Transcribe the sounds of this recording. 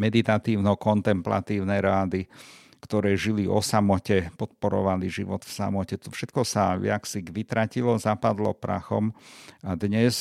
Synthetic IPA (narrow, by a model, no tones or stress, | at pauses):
mɛd̪it̪at̪iːʊnɔkɔnt̪ɛmpla̰t̪iːʊnɛɾaːd̪i | kt̪ɔɾɛːʒiliɔ̰samɔcɛpɔt̪̚pɔɾɔ̰ʋaliʒiʋɔt̪fsa̰mɔcɛt̪ɔfʃɛt̪kɔsaɪaksiɡʋit̪ɾacilɔzapad̪lɔ̰pɾa̰xɔ̰mad̪ɲɛs